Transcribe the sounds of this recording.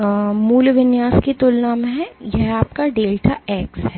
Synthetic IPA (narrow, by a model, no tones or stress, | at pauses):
muːlʋɪnjaːskit̪ʊlnaːmɦɛjɛɦaːp̚kaɖeːlʈʰaɛːksɦɛː